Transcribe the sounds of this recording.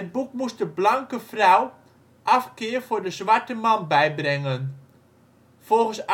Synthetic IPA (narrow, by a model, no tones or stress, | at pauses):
ɦət̚bukmusdəblaŋkəfraw | ʔafkɪːərfʊɹdəzʋaɹtəmanbɛjbrɪŋən | fɔlˠɣən̩s